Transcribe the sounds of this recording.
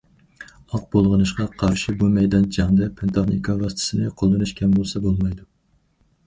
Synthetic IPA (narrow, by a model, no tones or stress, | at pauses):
ɑq̚bolˠʁənɨʃqɑqʰɑɾʃibumɛjd̪ɑnd͡ʒɑŋd̪ɛpʰɪnt̪ʰɑχnikʰɑɾɑst̪ʰɪ̥sɪnɪqʰolˠːɨnɨʃkʲʰɛmbolˠsɛbolˠmɑjd̪u